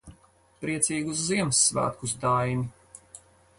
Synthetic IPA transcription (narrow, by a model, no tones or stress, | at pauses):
pɾiɛt̪siːɡus̬ziɛmsːvæ̰ːt̪̚kusd̪ajnʲi